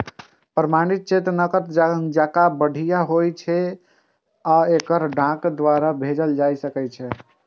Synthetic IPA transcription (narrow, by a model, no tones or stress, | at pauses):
pɾəmañit̪̚t͡ʃet̪ɾnəkət̪d͡ʒd͡ʒakabəɽ̤ʱijaɦojt͡ʃʰɛ | aekəɾɖʱãkd̪ʋaɾabʱed͡ʒəld͡ʒajsəkɛt͡ʃʰɛ